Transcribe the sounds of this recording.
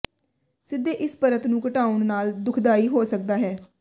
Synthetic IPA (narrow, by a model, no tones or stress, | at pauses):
sɪd̪ːeːʔɪspəɾət̪nũːkəʈaːʊɳnaːld̪ʊkʰd̪aːiːɦoːsək̚d̪aːɦɛː